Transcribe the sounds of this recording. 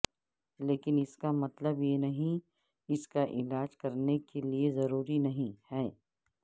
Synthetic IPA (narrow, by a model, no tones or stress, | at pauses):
leːkɪnɪskamɐt̪ləbjenɐɦĩ | ɪskaʔɪlaːd͡ʒkɐɾnekeliezɐɾuːɾinɐɦĩhɛː